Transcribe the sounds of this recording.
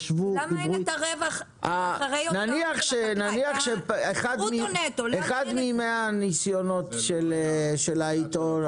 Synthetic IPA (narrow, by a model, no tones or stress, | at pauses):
ʃvuiʁuʁeva | aenaniaχʃenaniaχʃeeχad̪minetoeχad̪mimeanisjono̞t̪ʃelʃelait̪o